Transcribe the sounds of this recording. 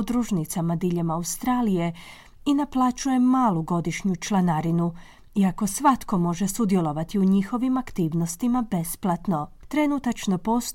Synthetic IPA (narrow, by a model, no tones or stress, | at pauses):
d̪ɾuʒnit̪samad̪iʎe̞maust̪ɾaːlije̞ | inaplˠat͡ʃuje̞mːaːluɡo̞d̪iʃɲut͡ʃlˠanaɾinu | iako̞sʋat̪ko̞mo̞ʒe̞sud̪je̞lˠo̞ʋat̪iuɲixo̞ʋimakt̪iːʋno̞st̪imabe̞splˠat̪no̞ | t̪ɾe̞nut̪at͡ʃno̞po̞s